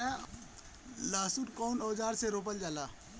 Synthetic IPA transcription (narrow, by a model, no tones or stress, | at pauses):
laːsuʈkɔːnɔːd͡ʒaːɾseɾoːp̬əld͡ʒalaː